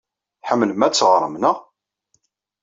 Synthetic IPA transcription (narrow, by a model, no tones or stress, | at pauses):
ħəmːnmæt͡sːʁɾˤəmnəʁ